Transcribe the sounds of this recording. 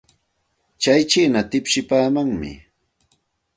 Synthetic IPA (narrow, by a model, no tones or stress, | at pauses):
t͡ʃajt͡ʃiːnat̪ɪpʃɪpaːmaŋmɪ̰